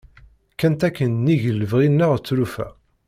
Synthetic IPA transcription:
kːænt̪ækːənːiʝəlːəvʁinːəʁt͡sːɾufæ̰

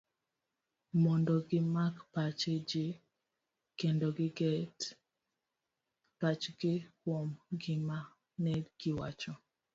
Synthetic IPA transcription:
mɔndɔɡɪmakpat͡ʃed͡ʒɪ | kendɔɡɪɡɛt | pat͡ʃɡɪwɔmɡɪma | nɛɡ̥ɪwa̰t͡ʃɔ

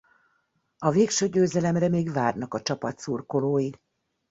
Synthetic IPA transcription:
ɒveːkʃøːɟøːzɛlɛmrɛmeːɡvaːrnɒkɒt͡ʃɒpɒt̪surkoloːji

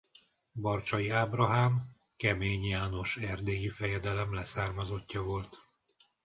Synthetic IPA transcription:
bɒrt͡ʃɒjiaːbrɒɦaːm | kɛmeːɲjaːno̞ʃɛrd̪eːjifɛjɛd̪ɛlɛmlɛsaːrmɒzo̞cːɒvo̞lt̪

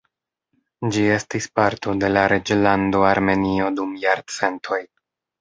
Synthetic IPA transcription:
d͡ʒie̞stispaɾto̞de̞laɾe̞d͡ʒlando̞aɾme̞nio̞dumjaɾt͡se̞ntʰo̞j

